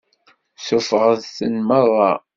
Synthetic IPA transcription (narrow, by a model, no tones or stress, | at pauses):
sʊfəʁəðθənmərˤːɑ